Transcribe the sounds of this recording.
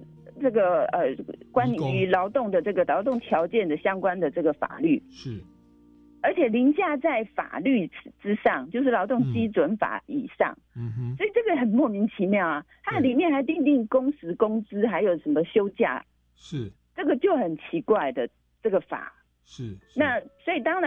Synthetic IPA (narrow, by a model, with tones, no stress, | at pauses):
ʈ͡ʂɤ˥˩ɡə˩ə˨˩kwa˦˥ny˧˥lɑ˧˥ʊt̪ʊ˥˩ŋd̪ə˩ʈ͡ʂɤ˥˩ɡə˩lɑ˧˥ʊt̪ʊ˥˩ŋt̪ʰjɑ˧˥ʊt͡ɕjɛ˥˩nd̪ə˨ɕjɑ˥ŋkwa˦nd̪ə˨ʈ͡ʂɤ˥˩ɡə˩fa̰˨˩ly˥˩˥ | ə˞˧˥t͡ɕʰjɛ˨˩li˧˥ŋt͡ɕja˥˧t͡sa˥˩ɪfa̰˨˩ly˥˩ʈ͡ʂɻ̩˥ʂɑ˥˩ŋt͡ɕjo˥˧ʊʂɻ̩˥˩lɑ˧˥ʊt̪ʊ˥˩ŋt͡ɕi˥t͡swə˧˦˥nfa̰˨˩˦ḭ˨˩ʂɑ̰˥˩ŋswɔ˧˥i˨˩ʈ͡ʂɤ˥˩ɡə˨xə˨˩nmwɔ˥˩mi˧˥ŋt͡ɕʰi˧˥mjɑ˥˩ʊa˨˩t̪ʰa˥li˨˩mjɛ˥˩nxa˧˥ɪt̪i˥˧ŋt̪i˥˩ŋkʊ˥ŋsɹ̩˧˥kʊ˥ŋt͡sɹ̩˥xa˧˥ɪjo˨˩ʊʂə˧˥nmə˧ɕjo˥ʊt͡ɕja̰˥˩˥ | ʈ͡ʂɤ˥˩ɡə˩t͡ɕjo˥˩ʊxə˨˩nt͡ɕʰi˧˥kwa˥˩ɪd̪ə˩ | ʈ͡ʂɤ˥˩ɡə˩fa̰˨˩˦ | na˥˩swɔ˧˥i˨˩t̪ɑ˥ŋɻa˧